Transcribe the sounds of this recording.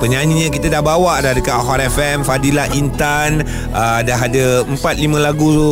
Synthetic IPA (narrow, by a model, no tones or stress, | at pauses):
pəɲãnĩɲãkit̪ədahbawaʔdadəkaʔɦɔɾɛfɛmfadilaʔint̪an | ədaɦadəəmpat̪̚limə̃laɡutu